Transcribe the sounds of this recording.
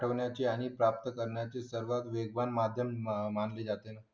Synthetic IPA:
ʈʰəʋɳjat͡ɕeaɽ̃ipɾap̚t̪əkəɾɳjat͡sesəɾʋat̪ʋeɡʋanmad̪ʱjəmmanled͡zat̪ena

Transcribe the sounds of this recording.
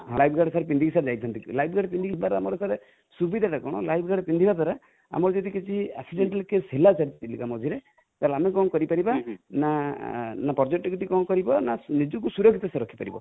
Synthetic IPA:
ɦlajb̚ʰʱɡaɽsaɾep̬ind̪ʱikisaɾed͡ʒajt̪ʰɔnt̪iklajbʰʱɡaɽpind̪ikibaɾamɔɾɔsaɾe | subid̪ʱaʈakɔɽ̃ɔlajb̚ʰʱɡaɽpind̪ibad̪ʱaɾa | a̰mɔɾɔd͡ʒɔd̪ikit͡ʃʰia̰ksiɖeɳʈalkeselat͡ʃaɾit̪t̪ilikamɔd͡ʒʱiɾe | t̪alamekɔŋkɔɾipaɾibana | napɔɾd͡ʒek̚ʈɔkiʈikɔŋkɔɾibɔnanid͡ʒɔkusuɾɔkʰit̪ɔsaɾɔkʰi̥paɾḭbɔ̰

